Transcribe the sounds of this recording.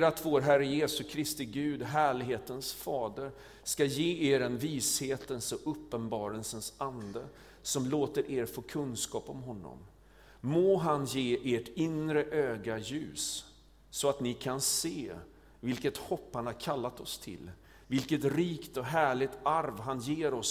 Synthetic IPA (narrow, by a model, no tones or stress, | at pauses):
ɾat̪voːɾɦæɾəjeːsɵkʰɾɪst̪ɪɡʉ̟ːd̪ɦæːɭɪɡɦeːt̪ənsfɑːd̪əɾ | skajeːeːɾɛnviːsheːt̪ənsɔʔɵpːənbɑːɾəlsənsand̪ə | sɔmloːt̪əɾʔeːɾfoːkʰɵnskɑːpɔmɦɔnːɔ̰mː | oːɦanjeːʔeʈɪnɾəʔøːɡajʉ̟ːsː | ɔat̪nɪkʰanseː | vɪlkət̪hɔpːhanhaɾkʰalːat̪ɔst̪ʰɪ̰l | vɪlkət̪ɾiːkt̪ɔɦæːɭɪt̪aɾvɦanjeːɾɔs